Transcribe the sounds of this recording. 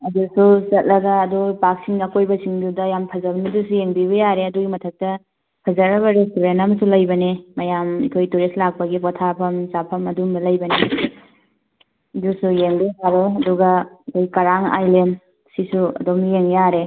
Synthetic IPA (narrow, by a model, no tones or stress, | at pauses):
ɐdusuzɐt̚lɐɡɐːdupak̚siŋakojbɐsiŋdudɐjampʰɐzɐbɐmidusujeŋbiβɐjaɾeɐduɡimɐtʰɐk̚tɐ | pʰɐzɐɾɐβɐɾetuɾenamɐsulɐjbɐnemɐjamikʰojtuɾeslak̚pɐɡipɔtʰapʰɐmzapʰɐmɐdumdɐlɐjbɐne | ɐdusujeŋbisaɾeɐduɡɐikʰojkɐɾaŋa̰jlen | sisuɐ̰doknijeŋjaɾe